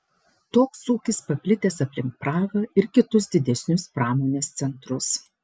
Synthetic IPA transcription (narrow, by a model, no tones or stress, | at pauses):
t̪oːksuːkʲɪspɐpʲlʲɪt̪ʲeːsɐpʲlʲɪŋk̚pɾɑːʋɐɪɾkʲɪt̪ʊsd̪ʲɪd̪ʲɛsʲnʲʊspɾɑːmoːnʲeːst̪sʲɛnt̪ɾʊs